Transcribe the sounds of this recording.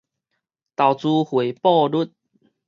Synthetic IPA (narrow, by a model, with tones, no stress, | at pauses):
t̪a˨˩wt͡su˧hwe˨˩pɔ˥˧lu˦˥t̪̚